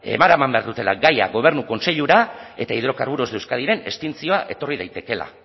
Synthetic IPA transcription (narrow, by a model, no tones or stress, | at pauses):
e̞̰maɾamambe̞aɾðut̪e̞laɡaja̰ɣo̞β̞e̞ɾnuko̞nse̞ʎuɾae̞t̪aiðɾo̞kaɾβuɾozðewskaðiɾe̞nḛst̪int͡sio̞aʔe̞t̪o̞rið̞ajt̪e̞ke̞la̰